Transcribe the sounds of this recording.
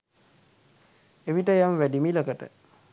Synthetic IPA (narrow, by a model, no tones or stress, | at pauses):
eʋiʈəjamʋæɖimiləkəʈə